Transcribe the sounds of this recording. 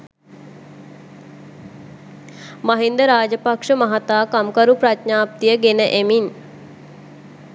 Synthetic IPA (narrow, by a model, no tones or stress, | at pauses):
maɦind̪əɾaːd͡ʒəpakʂəmaɦat̪aːkamkaɾupɾat̪ɲaːp̚t̪ijəɡenəʔemin